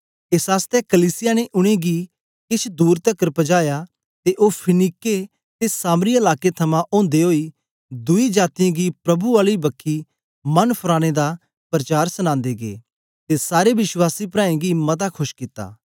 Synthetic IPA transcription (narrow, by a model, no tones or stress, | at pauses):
eːsɦaːst̪ɛkɐliːsɪjaneʔʊɽ̃ẽɡi | kɪt͡ʃʰd̪uːɾt̪ɐkːəɾpɐd͡ʒaːja | t̪eʔoːpʰɪniːkːe | t̪esaːmɾiɐlaːket̪ʰɐmãʔõːnd̪eɦoːi | d̪ʊid͡ʒaːt̪ɪjãɡipɾɐbuaːlibɐkʰːi | mɐnpʰʊɾãːɽ̃ed̪a | pɾɐt͡ʃaːɾsɐñãːnd̪eɡḛː | t̪esaːɾebɪswaːsipɾãːẽɡimɐt̪akʰʊʃkɪt̪ːa̰ː